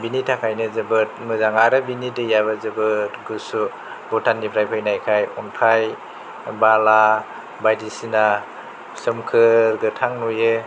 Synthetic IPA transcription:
binitʰakʰajnɯzɯbɯt̚mɯzaŋaɾɯbinitɯjaβɯzɯbɯtɡusu | bɔtʰanːipʰɾajpʰajnajkʰajɔnpʰaj | bala | bajdisina | sɯmkʰɯɾɡɯtʰaŋnujɯ

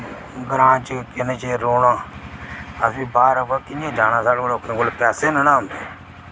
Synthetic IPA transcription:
ɡəɾãːt͡ʃkɪnet͡ʃeːɾoːɽãː | əsĩːbaːɾəbəkɪãːd͡ʒaːnãːsaːɽoloːkẽːkolpaːseːnənãːmeː

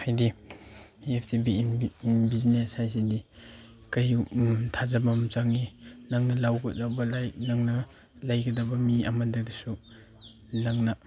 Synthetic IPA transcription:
hajdi | epʰtibinbizneshajsidi | kajtʰazabamt͡ʃaŋinaŋnɐlawɡadabɐlajnaŋnɐ | lajɡɐdabɐmia̰madadisu | naŋna

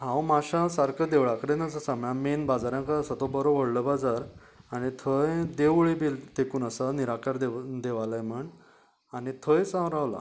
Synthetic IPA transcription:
ɦãwmaɕasaɾkəd̪eʋɭakəɾẽnəsəsamjãmenbad͡zaɾjãŋkaəsat̪obəɾoʋəɽləbad͡zaɾ | añit̪ʰəjd̪eʋɭibilt̪ekuːnəsaniɾakaɾd̪ed̪eʋalajm̤əɳ | anit̪ʰəjsãwɾaʋla̰

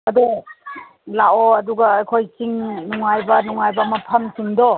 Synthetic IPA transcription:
ɐdu | laoɐduɡaːjkʰojt͡ʃiŋnuŋajbɐnuŋajbɐmɐpʰɐmt͡ʃiŋdɔ

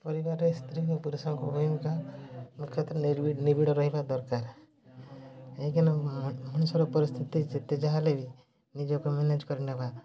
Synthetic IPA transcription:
pɔɾibaɾest̪ʰɾiɾɔpuɾesɔŋkɔbʱɔjmkamukʰjɔt̪ɾɔniɾbiɖnibiɽɔɾɔɦibad̪ɔɾkaɾ | eikinɔmɔñusɔɾɔpɔɾist̪ʰit̪id͡ʒet̪ed͡ʒaɦalebi | nid͡ʒɔkumened͡ʒkɔɾineba

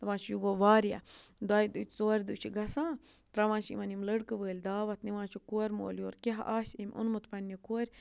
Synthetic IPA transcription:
t̪ɐʋãːnt͡ʃʰjuɡoːʋaːɾja̰d̪aːjid̪ṵt͡ʃʰʲt͡soːɾʲd̪ut͡ʃʰiɡɐsãː | t̪ɾɐʋãːnt͡ʃʰḭmɐnimləɽkɨʋəːlʲd̪aːʋɐt̪niʋãːt͡ʃʰukoɾʲmo̰ːljoːɾkʲeɦʔaːsʲimʲʔṵnmut̪pɐnʲːikoːɾʲ

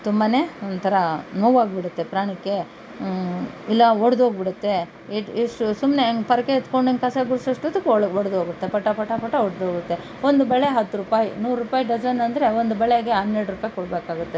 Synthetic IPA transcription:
t̪umbane̞ːond̪t̪ʰɐɾɐnoːʋaːɡbiɽut̪ːe̞pɾaːɳikːe̞ | ilːɐoɽd̪ɦoːɡbiɽut̪ːe̞ | eʈeʂʈusumneŋɡpɐɾɐkeːt̪koɳɖɐnkɐsɐɡuɾsɐʂʈod̪ukːoɽd̪ɦoːɡut̪ːepɐʈːɐpɐʈːɐpɐʈːɐoɽd̪ɦoːɡut̪ːe̞ | ond̪ubɛɭeɦɐt̪ːuɾupaːjḭnuːɾɾupaːjiɖɐd͡ʒɐnɐnd̪ɾe̞ond̪ubɛɭeɡeɦɐd̪neɾɽɾupaːjikoɽbeːkaːɡut̪ːe̞

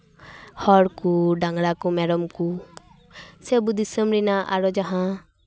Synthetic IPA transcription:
hɔɽkuɖaŋɡɽakumɛɾɔmku | sɛbud̪isəmɾinaʔa̰ɾɔd͡ʒaɦã

